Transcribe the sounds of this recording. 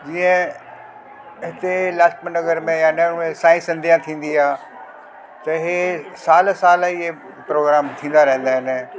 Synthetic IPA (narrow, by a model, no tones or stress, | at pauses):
d͡ʑiːə̃ | ɦɪt̪elaːʃmənɐɡəɾmẽjanɐmẽsaːĩsɐ̃nd̪ʱijãt̪ʰĩːn̆d̪iaː | t̪ɐɦesaːlsaːlie | pɾoːɡɾaːmt̪ʰĩːnd̪aɾɐɦə̃n̆d̪aːɦɪn